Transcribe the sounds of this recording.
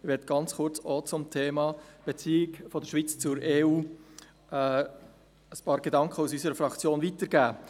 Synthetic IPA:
ɪʋɛːɾd̚ɡ̥ɑnt͡sχʊɾt͡sɔt͡sʊmt̪ʰeːmɑb̥et͡siːɪɡfɔdəɾʃʋit͡st͡sʊɾeːuː | əspɑːɾɡ̥ed̪ɑŋkχəusysəɾəfɾɑkt͡sjoːnvit̪əɾɡ̥æː

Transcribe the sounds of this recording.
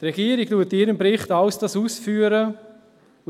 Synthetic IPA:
trɛɡiːəɾiɡ̥tuətːɪɾəmpɾɪχtɑwsd̥ɑsuːsfyːəɾə

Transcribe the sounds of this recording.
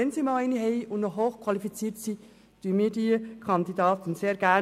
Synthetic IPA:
ɛnsimɑːlɛniɦɛɪʔʊnnɔɦoːxkʰwɑlifit͡siːtsiː | d̥yːəmiːdikʰɑndidɑːt̪n̩seːɾɡ̥æ

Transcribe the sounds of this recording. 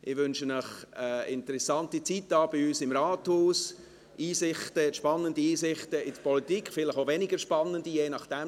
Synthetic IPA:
ʔɪʋʏnʃənəχəɪntəɾɛsɑntit͡sitːɑːb̥ɪyːsɪmɾɑːthuːs | ʔiːsɪχtəʃpɑnːəndiiːsɪχtəɪd̥əpʰɔlitikχfɪlɪχovɛnɪɡəɾʃpɑnːəndijeːnɑχd̥ɛm

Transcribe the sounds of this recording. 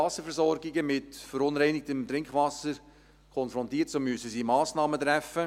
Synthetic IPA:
ɑsəɾfɛɾszɔɾɡɪɡəmɪtfəɾʊnɾɛɪnɪk̚təmtɾɪŋkχʋɑsəɾ | kʰɔnfɾɔ̃ntiːətsomːyəsəsimɑːsnɑːmətɾæfə

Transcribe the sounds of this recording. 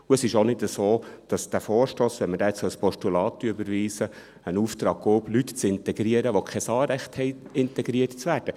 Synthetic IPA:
uəsɪʃonɪtəsoːd̥ɑsd̥æfoːɾʃtoːsʋɛnməɾdɛːt͡ssœlspɔʃtulɑːt̪ʏbəɾʋiːsə | ənuːftɾɑːɡ̥̚ɡoːblytt͡sɪnt̪ɛɡɾiəɾəʋokʰɛsɑːɾɛχthɛɪɪnt̪ɛɡɾiərtt͡sʋæːrd̥ə

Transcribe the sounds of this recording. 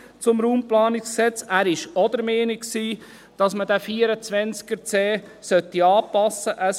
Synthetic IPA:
t͡sʊmɾuːmplɑːnɪksksɛt͡sæːɾɪʃɔd̪əɾmeːniksiː | d̥ɑsmədæfiːəɾət͡sʋɛnt͡skəɾt͡sɛː | sœt̪ːiɑːpɑsəʔəs

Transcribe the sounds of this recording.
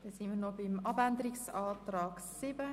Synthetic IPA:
d̥esɪnminobɪmʔɑbændəɾiksaːtraːksɪbə

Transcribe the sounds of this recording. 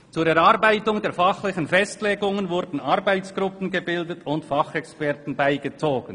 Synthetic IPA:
t͡suːɾɛɾɑʁbaɪtʊŋdeːfɑχlɪçənfɛstleːɡʊŋənvʊɾdn̩ɑɾbaɪt͡sɡ̥ʁʊpn̩ɡəbɪldətʰʊntfɑχɛkspɛʁtn̩baɪɡət͡soːɡ̥ən

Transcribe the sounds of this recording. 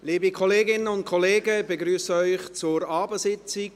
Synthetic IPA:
liːbikʰɔleːɡɪnənʊnt̚kʰɔleːɡəbeɡɾyːsəœʏχt͡sʊɾɑːbəsɪt͡sɪɡ

